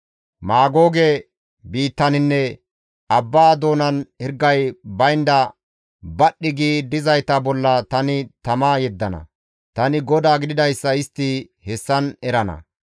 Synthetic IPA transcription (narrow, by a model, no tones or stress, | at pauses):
maːɡo̞ːɡɛ | biːt̪ːɐnɪnːɛ | ɐbːaːd̪o̞ːnɐnhɪɾɡːɐjbɐjnd̪ɐ | bɐɗːɪɡiːd̪ɪzɐjt̪ɐbɔlːɐt̪ɐnɪt̪ɐmaːjɛd̪ːɐnɐ̰ | t̪ɐnɪɡɔd̪aːɡɪd̪ɪd̪ɐjsːɐɪst̪ːɪ | hɛsːɐnɛɾɐnɐ̰